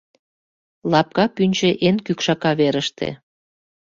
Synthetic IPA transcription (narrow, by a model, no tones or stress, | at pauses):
lɑp̚kɑpynʲt͡ʃeʔenkykʃɑkɑβeɾəʃt̪ʰḛ